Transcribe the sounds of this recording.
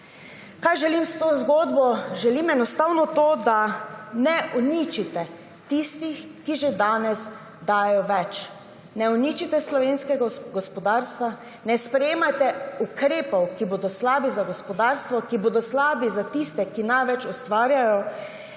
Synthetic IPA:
kajʒɛlimst̪oːzɡoːd̪bɔʒɛlimɛnɔst̪awnɔt̪od̪anɛʔɔnit͡ʃit̪ɛ | t̪ist̪ix | kiʒed̪aːnɛz | d̪aːjɔʋɛt͡ʃ | nɛunit͡ʃit̪ɛslɔʋeːnskɛɡaɡɔspɔd̪aːɾst̪ʋa | nɛspɾɛjeːmajt̪ɛukɾeːpɔwkiboːd̪ɔslaːbizaɡɔspɔd̪aːɾst̪ʋɔkiboːd̪ɔslaːbizat̪ist̪ɛkinajʋɛt͡ʃɔst̪ʋaːɾjajɔ

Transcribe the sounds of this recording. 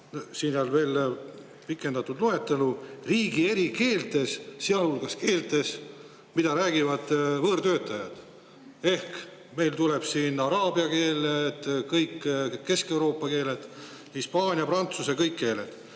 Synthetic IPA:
nsiːneɑlve̞ːl | pikːˑe̞nd̪̥ɑt̪ːˑud̪lue̞t̪ːˑeluriːɡ̥ie̞ɾike̞ːlt̪e̞sseɑlhulɡ̥ɑske̞ːlt̪e̞s | mid̪̥ɑɾæːɡ̥ivɑd̪̥vɤːɾt̪øːt̪ːˑɑjɑd̪̥ | e̞hk | me̞jlt̪ule̞b̥siːnɑɾɑːbiɑke̞ːlet̪kɤjkːke̞ske̞wɾo̞ːpːˑɑke̞ːle̞d̪̥ | hispɑːnʲiɑprɑnt̪susekɤjkːe̞ːle̞d̪̥

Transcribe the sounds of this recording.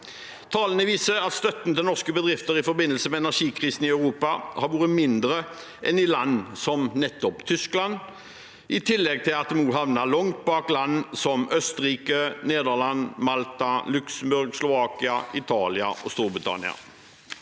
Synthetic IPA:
t̪ʰɑːlənəʋiːsəɑt̪st̪œt̪n̩t̪ɪlnɔʁskəbəd̪ʁɪft̪əʁɪfɔɾbɪnːəlsəmɛɛnæʁʂiːkʰʁiːsn̩ɪœʉʁuːpɑhɑɾʋuːʁəmɪnd̪ɾə | ʔɛnɪlɑnːsɔmnɛt̪ːɔpt̪ʰʏsklɑn | ʔɪt̪ʰɪlːɛɡ̚t̪ʰɪlɑt̪̚d̪ɛmnuːɦɑʋnɑlɔŋt̪̚bɑːklɑnːsɔmœst̪əʁiːkəneːd̪əʁlɑnmɑlt̪ɑlʉksəm̩bʉɾɡslʊʋɑːkɪɑʔɪt̪ʰɑːlɪɑ̰ʔɔst̪uːɾbʁɪt̪ʰɑ̰nɪ̰ɑ̰

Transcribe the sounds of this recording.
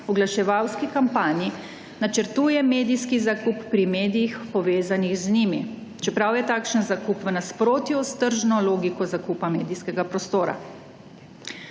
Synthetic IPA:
ɔɡlaʃɛʋawskikampaːni | nat͡ʃəɾt̪uːjɛmeːd̪ijskizakupːɾimeːd̪ijixpɔʋeːzanixznimi | t͡ʃɛpɾawjɛt̪aːkʃənzakupʋənaspɾoːt̪just̪əɾʒnɔloːɡikɔzakupameːd̪iskɛɡapɾɔst̪oːɾa̰

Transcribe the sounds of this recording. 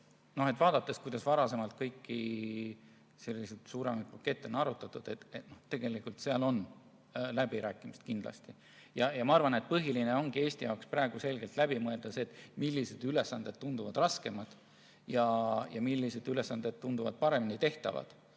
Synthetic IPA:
no̞he̞t̪vɑːd̪̥ɑt̪ːˑe̞skujd̪̥ɑsvɑɾɑse̞mɑlt̪̚kɤjkːi | se̞lʲːised̪̥suːɾe̞mɑjd̪̚pɑkːˑe̞t̪ːˑonɑɾut̪ːˑɑt̪ːˑud̪̥et̪et̪no̞ht̪e̞ɡ̥e̞likːult̪seɑlo̞n | læbiɾæːkːˑimist̪̚kind̪̥lɑ̰st̪i | jɑjɑmɑɑrvɑne̞t̪̚pɤɦiline̞o̞ŋɡ̥ie̞ːsʲt̪ijɑokspræeɡ̥use̞lɡ̥e̞lt̪læb̥imɤe̞ld̪̥ɑseːt̪ːˑmilːise̞d̪̥yle̞sːɑnd̪̥e̞d̪̥̚t̪und̪uvɑd̪̥rɑske̞mɑd̪̥ | jɑjɑmilːise̞d̪yle̞sːɑnd̪̥e̞d̪̚t̪und̪uvɑ̰d̪̥̚pɑɾe̞minit̪e̞ht̪ɑ̰vɑ̰d̪̥

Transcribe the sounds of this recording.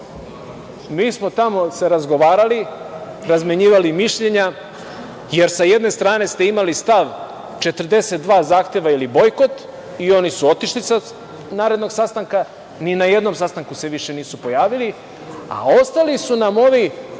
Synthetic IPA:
miːsmo̞t̪amo̞se̞ɾazɡo̞ʋaːɾali | ɾazmeɲiːʋalimiʃʎe̞ɲa | je̞ɾsaje̞d̪ne̞st̪ɾaːne̞st̪eimalist̪aʋ | t͡ʃe̞t̪r̩d̪e̞se̞t̪̚d̪ʋaːzaːxt̪e̞ʋailibo̞jko̞t̪ | io̞nisuo̞t̪iʃlisa | naːɾe̞d̪no̞ɡsast̪aŋka | ninaje̞d̪no̞msast̪aŋkuse̞ʋiʃe̞niːsupo̞jaːʋili | a̰o̞st̪alisunamo̞ʋi

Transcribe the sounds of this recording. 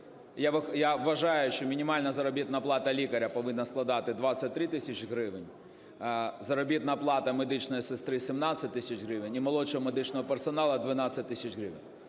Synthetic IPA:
jaʋɪxjaʋʋɐʒɑjʊʃt͡ʃɔmʲinʲimɑlʲnɐzɐɾɔbʲit̪nɐplˠɑt̪ɐlʲikɐɾʲɐpɔʋɪnːɐsklˠɐd̪ɑt̪ɪd̪ʋasʲɐt̚ʲt̪ːɾɪt̪ɪsʲɐt͡ʃɦɾɪʋɪnʲ | zɐɾɔbʲit̪nɐplˠɑt̪ɐmed̪ɪt͡ʃnɔjisɪst̪ɾɪsʲimnasʲɐt̚ʲt̪ɪsʲɐt͡ʃɣɾɪʋɪnʲimɔlˠɔt͡ʃɔɦɔmed̪ɪt͡ʃnɔɦɔpersɔnɑlˠɐd̪ʋɪnɑt̪sʲːɐtʲt̪ːɪsʲɐt͡ʃɦɾɪʋɪ̰nʲ

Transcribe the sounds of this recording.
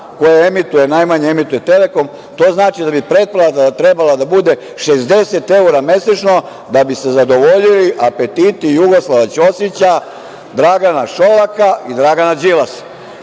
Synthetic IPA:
ko̞jeemit̪uje̞najmaɲeemit̪ujet̪e̞le̞ko̞m | t̪o̞ːznaːt͡ʃid̪abipɾe̞t̪̚palad̪at̪ɾe̞balad̪abud̪e̞ | ʃezd̪e̞set̪e̞uɾame̞set͡ʃno̞ | d̪abise̞zad̪o̞ʋo̞ʎiliʔape̞t̪iːt̪ijuɡo̞slˠaʋat͡ɕo̞sjet͡ɕa | d̪ɾaɡanaʃo̞lakaid̪ɾaɡanad͡ʒilas

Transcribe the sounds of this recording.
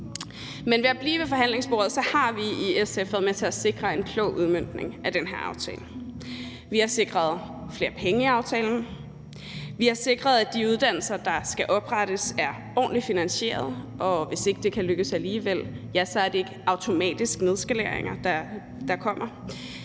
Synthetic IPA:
menʋe̝æb̥liːʋe̝fɒ̽ɦæn̰le̝ŋsb̥o̝ːɐð̩ˠsɒ̽hɑ̈ʋiiesefð̩ˠmet͡sʰe̝æse̝ɡ̥ʁɐe̝nkʰlɔ̰ʊʔuðˠmøn̰d̥ne̝ŋʔæd̥enɦeɐ̰ɑ̈ʊt͡sʰɛ̰ːln̩ | ʋihɑ̈se̝ɡ̥ʁɐð̞ˠ | fle̝ːɐpʰeŋəiɑ̈ʊt͡sʰɛ̰ːln̩ | ʋihɑ̈se̝ɡ̥ʁɐð̞ˠæd̥iuð̞ˠd̥æn̰l̩sɐd̥ɑ̈sɡ̥æʔɒ̽b̥ʁaɾ̥əsæɐ | ɒ̰ːnlifinænɕe̝̰ːɐð̞ˠʔɒ̽ʋe̝se̝ɡ̥əd̥e̝kʰæløɡ̥əsæliːʋel̰jæsɒ̽æɐd̥e̝e̝ɡ̥əɑ̈ʊt͡sʰo̝mɛ̰ːd̥isɡ̥ne̝ð̞ˠsɡ̥æleɐ̰eŋɐd̥ɑ | d̥ɑ̈kʰɒ̽m̰ɐ

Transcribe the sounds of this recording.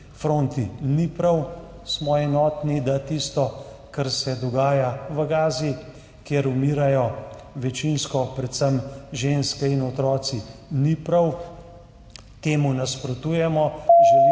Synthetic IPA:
fɾoːnt̪inipɾɐw | smɔɛnɔːt̪nid̪at̪ist̪ɔ | kaɾsɛd̪ɔɡaːjaʋəɡaːzi | kjeɾumiːɾajɔʋɛt͡ʃinskɔpɾɛt̪səmʒeːnskɛinɔt̪ɾɔːt̪sinipɾɐw | t̪eːmunaspɾɔt̪uːjɛmɔʒ

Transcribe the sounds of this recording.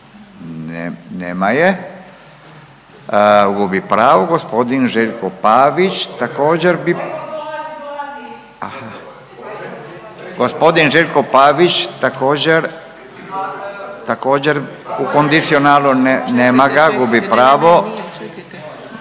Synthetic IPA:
neneːmaje | ɡubipɾaːʋoɡospod̪inʒeʎkopaːʋit͡ʃt̪akoːd͡ʑeɾbi | aha | ɡospod̪inʒeʎʲkopaːʋit͡ʃt̪akoːd͡ʑeɾ | t̪akoːd͡ʑeɾukond̪it̪sionaːlonneːmaɡaɡubipɾaːʋo

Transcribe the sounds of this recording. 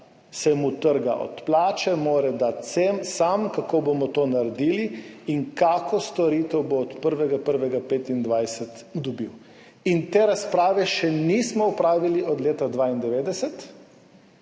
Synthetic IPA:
sɛmut̪əɾɡa̰ʔɔ̰t̪plaːt͡ʃɛmoːɾɛd̪at̪semsamkakobomɔt̪oːnaɾɛd̪iliiŋkaːkɔst̪ɔɾiːt̪ɛwboːt̪pəɾʋɛɡapəɾʋɛɡapeːt̪ind̪ʋajsɛt̪ | d̪ɔbiw | int̪eːɾaspɾaːʋɛʃɛnismɔɔpɾaːʋiliɔd̪leːt̪ad̪ʋaːind̪ɛʋeːd̪ɛsɛt̪

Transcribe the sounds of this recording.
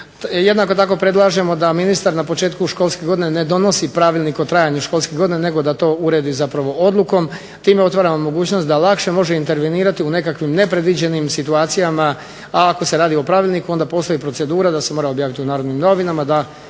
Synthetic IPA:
je̞d̪nako̞t̪ako̞pɾe̞d̪lˠaʒe̞mo̞d̪aminist̪aɾnapo̞t͡ʃeːt̪kuʃko̞ːlˠskeɡo̞d̪ine̞ne̞d̪o̞no̞sipɾaʋilʲnikot̪ɾaːjaɲuʃko̞lˠskeɡo̞d̪inene̞ɡo̞d̪at̪o̞uɾe̞d̪izapɾaʋo̞ʔo̞d̪lˠuko̞m | t̪iːmeo̞t̪ʋaːɾamomo̞ɡuːt͡ɕnot̪d̪alakʃe̞mo̞ʒeint̪e̞ɾʋeniːɾat̪iune̞kakʋimne̞pɾe̞d̪ʋid͡ʑe̞nimsit̪uaːt̪sijama | aːko̞se̞ɾaːd̪io̞pɾaʋilʲnikuo̞nd̪apo̞st̪ojipɾo̞t̪se̞d̪uːɾad̪ase̞moɾao̞bjaːʋit̪iunaːɾod̪nimno̞ʋinamad̪a

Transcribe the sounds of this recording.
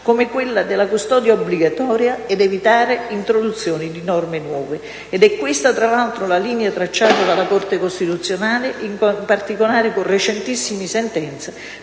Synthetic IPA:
komɪkwɪlːad̪ɪlːakust̪ɔːd̪jaobːliɡat̪ɔːɾjaɛd̪ɛvit̪aːɾeint̪ɾod̪ut̪sːjɔːnid̪inɔrmɪnwɔːve | ɛd̪ɛkːwɪst̪at̪ɾalalt̪ɾolaliːnjat̪ɾat͡ʃːaːt̪ad̪alːakɔrt̪ekost̪it̪ut̪sːjonaːlɪʔimpart̪ikolaːɾɪkonrːet͡ʃɛnt̪isːimisɛnt̪ɛnt̪sa

